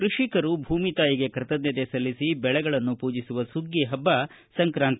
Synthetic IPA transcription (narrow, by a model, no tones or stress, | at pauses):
kɾuʂikɐɾubʱuːmit̪aːjiɡe̞kɾɐt̪ɐd̪njɐd̪esɐlːisibɛɭɛɡɐɭɐnːupuːd͡ʒisuʋɐsuɡːiɦɐbːɐ | sɐŋkɾaːnt̪ɐ